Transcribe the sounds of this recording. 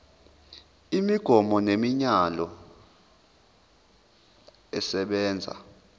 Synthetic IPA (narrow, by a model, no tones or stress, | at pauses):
imiɡ̥ʱɔmɔnemiɲalɔ | ɛsɛɓɛːnd͡zʱa̰